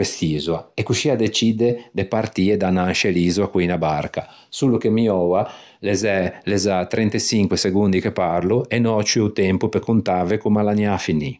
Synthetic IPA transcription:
est̪iːzuaekuʃiːad̪et͡ʃid̪ed̪epaɾt̪iːed̪anaʃeliːzuakwiːnabarka | sulukemiɔwa | lezɛlezat̪ɾʔɛnt̪esiŋkweseɡund̪ikepaɾluenɔt͡ʃyut̪ɛmpupekunt̪aːvekumalanjafinːi

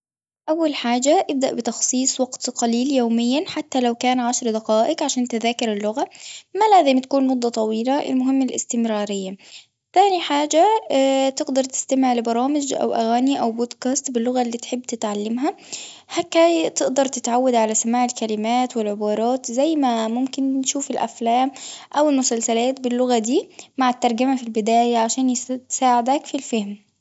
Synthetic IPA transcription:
ʔawːalħaːd͡ʒaʔɪb̚d̪aʔbɪt̪ɑxsˤiːsˤwɑɡt̪qɑliːljoːmɪjːanħat̪ːalawkaːnʕaʃɾd̪aqɑːʔɪqʕaʃaːnt̪ɪðaːkɪɾɪlːʊɣamalaːzɪmt̪ḁkuːnmʊd̪ˤːɑt̪ˤɑwiːlaʔɪ̰lmʊɦɪmːalʔɪ̰st̪ɪmɾɑːɾɪjːa | θaːniħaːd͡ʒat̪ɪɡd̪ɑɾˤt̪ɪ̥st̪amɪʕlɪbɑɾˤɑːmɪd͡ʒʔa̰wʔa̰ɣæːniʔawbod̪kaːst̪bɪlːʊɣalːiːt̪ħɪbːt̪ɪt̪ʕalːɪmɦa | hakːat̪ɪʔd̪ɑɾˤt̪ɪt̪ʕawːad̪ʕalasamaːʕɪlkalɪmaːt̪wɪlʕɪbɑːɾˤɑːt̪zæjːmamʊmkɪnʃuːfɪlʔa̰flæːmʔawɪlmʊsalsalaːt̪̚bɪlːʊɣad̪iːmaʕɪt̪ːɑɾˤɡamafilbɪd̪aːjaʕaʃæːnjsaːʕɪd̪ækfilfahm

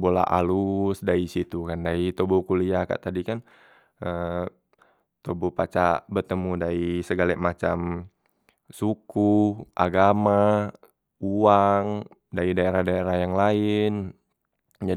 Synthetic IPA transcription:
bola̰ʔa̰lusdaisit̪ukandait̪obɔkuliaka̰ʔt̪adikan | ə | t̪obɔpat͡ʃabərt̪əmudaisəɡalɛmat͡ʃam | sukuʔaɡama | uaŋ | daidaeɾahdaeɾahjaŋlaɪn | d͡ʒa

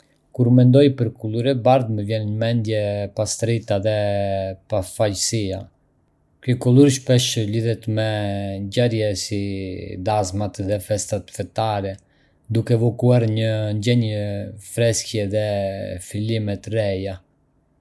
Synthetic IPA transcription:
kuɾmɛnd̪ɔjpəɾkulˠuɾɛbaɾd̪məvjɛnɲəmɛnd̪jɛpast̪ɾit̪aðɛpafajsia | kykɔlˠuɾʃpɛʃliðɛt̪mɛɲɟaɾjɛsid̪azmat̪ðɛfɛst̪at̪fɛt̪aɾɛ | d̪ukɛvɔkuaɾɲəɲɟɛɲəfɾɛskjɛðɛfilimɛt̪rɛja

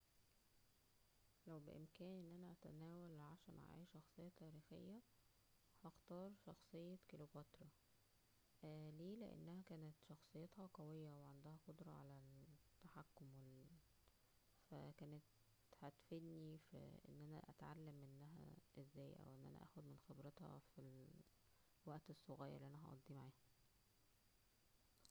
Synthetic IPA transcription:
læwbeʔemkæːnʔenːʔænæʔæt̪æ̰næːwælʕaʃæːnʔʕ̰a̰ʔʃːɑxsˤejːɑt̪æːɾiːxḛjːæ | hɑxt̪ɑːɾˤʃɑxsˤejːɑkelobæt̪ɾˤɑ | leːlḛʔḛnːæhækæːnet̪ʃɑxsˤejːet̪hɑqæwejːæweʕand̪æhæqod̪ɾˤɑʕa̰læt̪ːaħakːomwe | fæ̰kæːnet̪ | hæt̪fed̪nifḭʔḛnːʔænæ̰ʔæ̰t̪ʕalːæmʔenːæɦæ̰ʔezːæːjʔæ̰wʔenːʔæ̰næ̰ʔæ̰ːxod̪menxebɾet̪hɑ̰fil | wæʔt̪esˤːoɣæːjɑ̰ɾliʔænːæɦæʔɑ̰d̪ˤːiːmaʕiːhæ

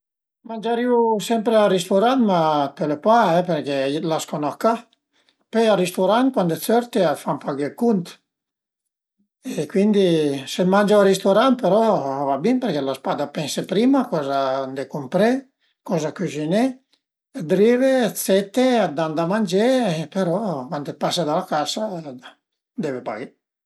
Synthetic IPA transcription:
mand͡ʒaɾiusɛmpɾeaɾist̪uɾant̪map̪elepaɛpeɾkelaskonɔka | pøaɾist̪uɾan̚kwand̪et͡søɾt̪eafampaɡekunt̪ | ekwind̪isemand͡ʒaaɾist̪oɾant̪̚peɾɔavabimpeɾkɛlaspad̪apɛnsepɾimakɔzand̪ekumpɾe | kɔzakyzineː | d̪ɾivet͡s̪ɛt̪ːead̪and̪amand͡ʒepeɾɔkwand̪epasad̪alakasa | d̪ɛvepa̰ɡe

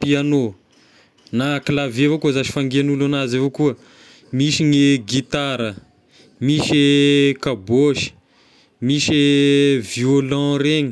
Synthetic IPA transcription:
piano | naklavevakuəzaʃi̥faŋɡenulanazevokuə | miʃineɡit̪aɾə | miʃekaboʃi̥ | miʃeviolɔ̃ɾeɲi

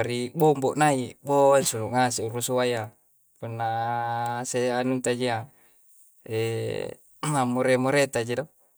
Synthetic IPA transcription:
ɾibomboʔnaiboansunuʔŋas̬euɾusuaja | punːa | seanunt̪ad͡ʒia | ḛ | amoɾemoɾet̪ad͡ʒedo

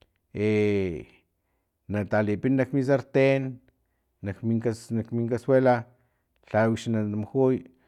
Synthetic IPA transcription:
e | nat̪alipinːakmis̬aɾt̪enː | akmiŋkasnakmiŋkaswela | ɬawiʃnad̪amxuj

